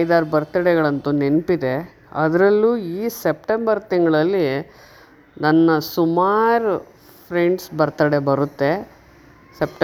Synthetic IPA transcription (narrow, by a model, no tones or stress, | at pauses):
jd̪aːɾbɐɾt̪ɐɽɛɡɐɭɐnt̪unenpid̪e̞ | ɐ̰d̪ɾɐlːuiːsep̚ʈembɐɾt̪iŋɡɐɭɐlːi | nɐnːɐsumaːɾu | pʰɾeɳɖsbɐɾt̪ɐɽebɐɾut̪ːe̞ | sep̚ʈ